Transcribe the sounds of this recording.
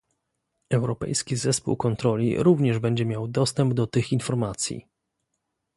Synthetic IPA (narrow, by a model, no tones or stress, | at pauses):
ɛwɾɔpɛ̰jskʲizɛspṵwkɔnt̪ɾɔlʲḭɾuvɲɛʐbɛɲd͡ʑɛmʲjawd̪ɔst̪ɛmbd̪ɔt̪ɘxinfɔɾmat̪sʲjḭ